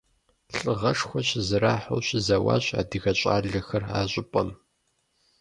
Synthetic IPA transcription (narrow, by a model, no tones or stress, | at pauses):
ɬʼɨʁɐʂxʷɔɕɪzɨɾaːħʊ̰wɕɪzɐwa̰ːɕa̰ːdɨɣɐɕʼa̰ːɮɐxɐraːɕʷʼɪpʷʼɐm